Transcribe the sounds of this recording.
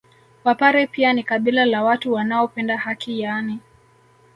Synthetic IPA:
wapaɾɛpianikaɓilalawatuwanaɔpɛndahakʰijani

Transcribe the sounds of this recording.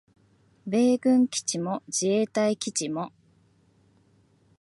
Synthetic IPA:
be̞ːɡɯ̟̃ŋkʲi̥t͡ɕimo̞d͡ʑieːt̪aikʲit͡ɕimo̞

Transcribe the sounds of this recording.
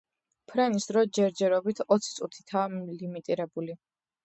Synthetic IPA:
pʰɾɛnisd̪ɾɔd͡ʒɛɾd͡ʒɛɾɔbit̪ʰɔt̪sʰi̥t̪sʼut̪ʰi̥t̪ʰaːlimit̪ʼiɾɛbuli

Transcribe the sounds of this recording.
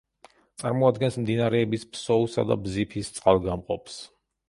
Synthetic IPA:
t̪sʼaɾmɔad̪ɡɛnsmd̪inaɾɛːbispʰsɔusa̰d̪a̰bzipʰist̪sʼqʼalˠɡamqʼɔps

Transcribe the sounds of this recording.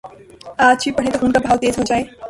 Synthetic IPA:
aːt͡ɕʰipəɽẽt̪oɦʊnkabʱaːlt̪eːzɦoːd͡ʒaːe

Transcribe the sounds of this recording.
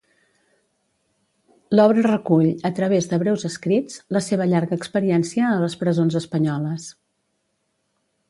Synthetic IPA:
lɔβɾərəkuʎət̪ɾəβ̞ezðəβɾɛwzəskɾid͡zləseβəʎaɾɣəːkspəɾiɛnsiəːləspɾəzonzəspəɲɔləs

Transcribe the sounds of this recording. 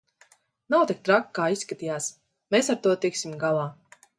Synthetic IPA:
nawt̪ik̚t̪ɾakkːaːisːkat̪ijaːs | mesaɾt̪uɔt̪iksimɡalˠaː

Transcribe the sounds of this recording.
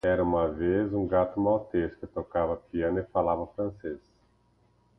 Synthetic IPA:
ɛɾɐũmɐvezũɡat̪ʊmawt̪eskɪt̪okavɐpiɐ̃nɪfalavɐfɾɐ̃ses

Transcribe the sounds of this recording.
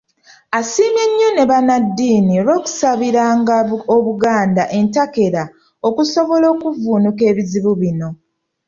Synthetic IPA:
asiːmje̞ɲːone̞βanadːiːnioɾo̞ːku̥saβiɾaːŋɡoβuɡaːndaʔe̞ntake̞ɾa | o̞kuso̞βo̞lo̞ːkuvuːnuke̞ːβiziβuβino̞

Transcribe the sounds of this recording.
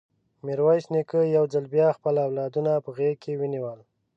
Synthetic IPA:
miɾwɑjsnikəjawd͡zalbjɑxpəlawlɑd̪unapəɣekewiniwəl

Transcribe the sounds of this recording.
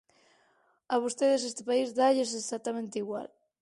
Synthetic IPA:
aβost̪eðes̬est̪epaizðaʎes̬esak̚t̪amẽnt̪eiɣwa̰l

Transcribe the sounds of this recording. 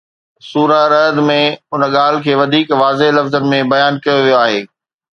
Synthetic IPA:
suːɾaɾɐd̪mẽʊnəɠaːl̤ɪ̆kʰeːʋɐd̪ʱiːkʋaːzelɐfzənɪ̆mẽbɐjaːnkɐjoʋijoaːɦeː

